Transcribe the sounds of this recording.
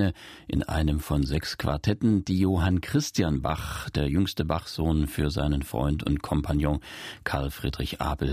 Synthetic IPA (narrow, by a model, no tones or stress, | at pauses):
əʔɪ̰nʔa̰ɪnəmfɔnzɛkskv̥a̰ɐtʰɛtn̩d̥iːjoːɦankʁ̥ɪstjanba̰χd̥eːɐjʏŋstəbaχz̥oːnfyːɐza̰ɪnənfʁ̥ɔ̰ʏntʊ̰ntkʰɔmpʰanjɔ̃kʰaɐlfʁ̥ḭːdʁɪçʔa̰ːbl̩